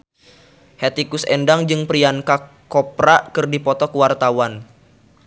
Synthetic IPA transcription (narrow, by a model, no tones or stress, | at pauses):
hɛt̪ikʊsɛndaŋd͡ʒɨŋpɾianka | kɔpɾakɨrdipɔt̪ɔkəwart̪awan